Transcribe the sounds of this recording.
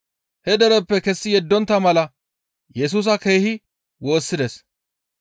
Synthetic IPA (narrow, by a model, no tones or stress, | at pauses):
hɛd̪ɛɾɛpːɛkɛsːɪjɛd̪ːɔnt̪ːɐmɐlɐ | jɛs̬uːs̬ɐkejːhɪ | wo̞ːsːɪd̪ɛs